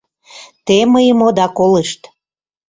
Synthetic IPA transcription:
t̪eməjəmod̪ɑkoleʃt̪

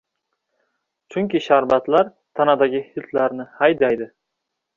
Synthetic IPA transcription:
t͡ʃʰʊŋkʲɪʃaɾbat̪laɾ | t̪ʰanad̪aɡʲɪhɪt̪laɾnɪhajd̪ajd̪ɪ

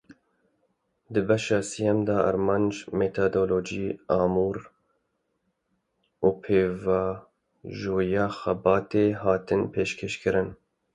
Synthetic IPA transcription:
d̪ɨbɛʃɑːsijɛmd̪ɑɑ̰ɾmɑːnd͡ʒmeːt̪ʰoːd̪oːloːd͡ʒiːɑːmuːɾ | uːpʰeːvɑː | ʒoːjɑːxɛbɑːt̪eːɦɑːt̪ɨnpʰeːʃkʰeːʃkʰɨɾɨn

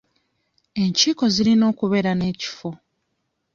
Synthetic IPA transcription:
e̞ɲciːko̞zilino̞ːkuβe̞ɾane̞ːci̥fo̞

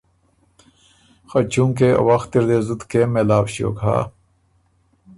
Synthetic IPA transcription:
xɐt͡ɕũːŋkeɐ̰wɐxt̪iɾd̪eːzut̪kemelaːbɕio̰ːka̰ː

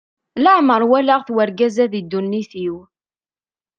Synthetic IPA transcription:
ləʕməɾˤwælaʁθwəɾɡæzæðid̪ːunːiθiw

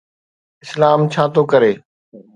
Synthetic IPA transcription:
ɪslaːmt͡ɕʰaːt̪oːkɐɾeː

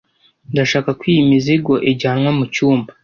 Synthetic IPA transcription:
ndaʃaːkakwiːimiziɡo̞ʔeɟaːnŋamucuːmbḁ

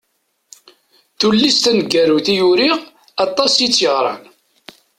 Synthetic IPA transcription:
θulːist̪ænəɡːæɾuθijuɾiʁ | ɑt̪ˤːɑsjit͡sːjəʁɾˤɑ̰n

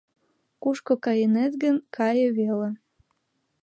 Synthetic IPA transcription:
kuʃkokɑjenet̪ɡənkʰɑjeβele

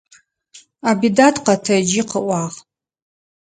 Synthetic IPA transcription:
abidatʰqɐtʰɐd͡ʒiqəʔʷɑːʁ

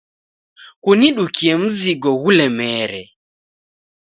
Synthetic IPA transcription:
kuniɗukʰiɛm̩ziɡɔɣulɛmɛːɾɛ

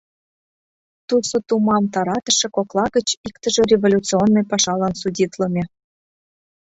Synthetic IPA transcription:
t̪usot̪umɑmt̪ɑɾɑt̪ə̆ʃĕkoklˠɑɣət͡ɕikt̪ə̆ʒĕrʲevolʲut͡sionːojpɑʃɑlɑnsudʲit̪lə̆mʲe

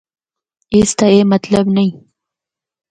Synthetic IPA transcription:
ist̪aemat̪labnai

